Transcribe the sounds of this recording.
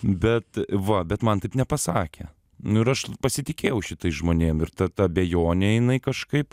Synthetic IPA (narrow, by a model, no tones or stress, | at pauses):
bʲɛt̪ʋɐbʲɛt̪mɐnt̪ɐɪpnʲɛpɐsɑːkʲḛ | nʊɪɾɐʃpɐsʲɪt̪ʲɪkʲeːjɛʊʃʲɪt̪ɐɪsʒmoːnʲeːmɪɾt̪ɐt̪ɐbʲejoːnʲɛjɪnɐɪkɐʃkɐɪp